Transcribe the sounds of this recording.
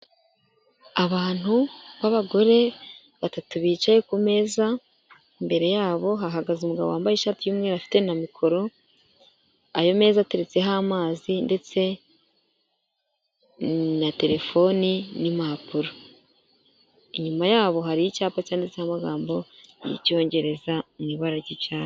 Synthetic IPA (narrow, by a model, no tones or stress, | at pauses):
aβaːn̥huβaβaɡo̞ɾe̞ | βatatuβiːt͡ʃajekume̞ːza | imbe̞ɾe̞jaːβo̞ɦaɦaɡazumuɡaβo̞̰aːmbajeʃaːtijuːmŋe̞ɾafi̥te̞namikʰo̞ɾo̞ | ajo̞me̞ːzate̞ɾet͡se̞ɦamaːzinde̞t͡se̞ | nate̞ɾe̞fo̞ninimapuɾo | iɲumajaːβo̞ɦaɾijicaːpacaːndet͡sehamaɡaːmbo̞jḭco̞ːɲɟe̞ɾe̞zamŋiβaɾaɟiaːn